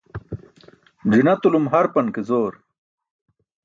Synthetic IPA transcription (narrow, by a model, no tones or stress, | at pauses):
d͡ʑinɐt̪ulumɦɐɾpɐnkezoːɾ